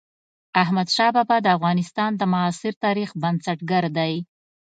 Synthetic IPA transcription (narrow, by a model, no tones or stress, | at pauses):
ahmad̪ʃɑbɑbad̪əafɣɑnɪst̪ɑnd̪əmaːsɪɾt̪ɑɾixbansaʈɡaɾd̪aj